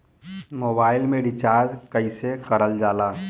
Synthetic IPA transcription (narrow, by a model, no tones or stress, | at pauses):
moːbaːɪlmẽɖit͡ʃaːɾd͡ʒkəisekəɾəld͡ʒaːlaː